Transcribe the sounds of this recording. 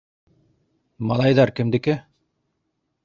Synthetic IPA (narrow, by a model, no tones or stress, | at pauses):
mɑlˠɑjd̪ɑɾkɘmd̪ɪkɪ